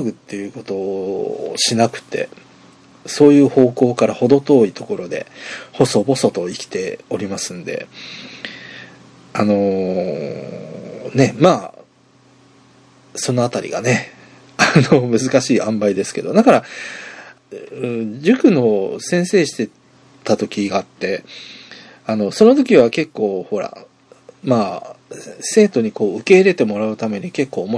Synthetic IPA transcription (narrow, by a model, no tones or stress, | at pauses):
ɡɯ̟t̪ːe̞jɯ̟ːko̞t̪o̞ | ɕinakɯ̟̥t̪e̞̰ | so̞ːjɯ̟ːho̞ːko̞ːkaɾaho̞d̪o̞t̪o̞ːit̪o̞ko̞ɾo̞d̪e̞̰ho̞so̞bo̞so̞t̪o̞ikʲi̥t̪e̞o̞ɾʲimasɨ̃nd̪e̞̰ | ano̞ | ne̞maː | so̞no̞at̪aɾʲḭɡa̰ne̞ | ano̞mɯ̟zɨkaɕiːãmbaid̪e̞sɨ̥ke̞d̪o̞d̪akaɾa | d͡ʑɨkɯ̟no̞sẽ̞ɰ̃se̞ːɕi̥t̪e̞ | t̪at̪o̞kʲiɡaːt̪ːe̞ | ano̞so̞no̞t̪̬o̞kʲiβake̞kːo̞ːho̞ɾa̰ | maː | se̞ːt̪o̞ɲ̟iko̞ːɯ̟ke̞iɾe̞t̪e̞mo̞ɾaɯ̟t̪ame̞ɲ̟ike̞kːo̞ːmo